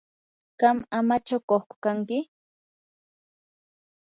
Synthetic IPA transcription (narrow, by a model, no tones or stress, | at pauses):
ɢ̥ɑmamat͡ʃawkoχkʊ̥kaŋkɪ